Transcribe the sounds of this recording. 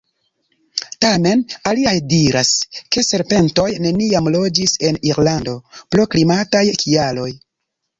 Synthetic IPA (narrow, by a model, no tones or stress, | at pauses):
tame̞naliajdiɾaske̞se̞ɾpe̞nto̞jne̞niamlo̞d͡ʒise̞niɾlando̞pɾo̞klimatajkʰialo̞j